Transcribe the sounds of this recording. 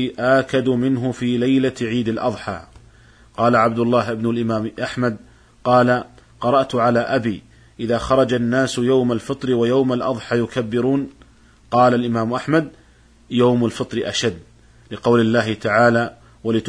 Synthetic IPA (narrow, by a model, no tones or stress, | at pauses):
ʔaːkad̪mɪnɦʊfiːlajlaʕiːd̪alʔɑ̰ðˤħa̰ː | qɑːlaʕab̚d̪ʊlːɑːɦʔɪbnʊlʔɪmaːmʔaħmad̪̚ | qɑːlaqɑɾˤɑʔt̪ʊʕalaːʔabiː | ʔɪðaːxɑɾˤɑd͡ʒanːaːsjawmalfɨt̪ˤɾɪwajawmalʔɑðˤħɑːjʊkabːɪɾuːn | qɑːlalʔɪmaːmʔaħmad̪̚ | jawmalfɨt̪ˤɾɪʔa̰ʃad̪ː | lɪqɑwlɪlːaːɦɪt̪aʕaːlaː | walɪt̪